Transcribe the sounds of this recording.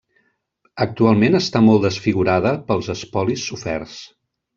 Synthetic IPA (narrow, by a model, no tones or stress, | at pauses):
ək̚t̪ualˠmenəst̪amɔlˠd̪əsfiɣuɾaðəpəlˠzəspɔlisːufɛ̰rs